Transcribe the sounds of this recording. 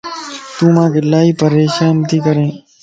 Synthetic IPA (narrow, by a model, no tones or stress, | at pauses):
t̪ũːmãːkelaːiːpəɾeːʃaːmt̪iːkəɾẽː